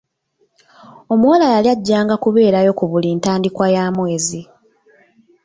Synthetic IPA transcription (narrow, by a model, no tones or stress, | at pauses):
o̞muwalajaljaɟːaːŋɡakuβe̞ːɾajo̞kuβuliːntaːndikwajaːmwe̞ːzi